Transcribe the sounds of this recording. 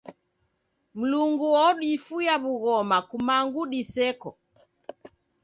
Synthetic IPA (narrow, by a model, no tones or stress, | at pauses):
m̩luŋɡuwɔɗiːfujaβuɣɔmakumaŋɡuɗisɛkɔ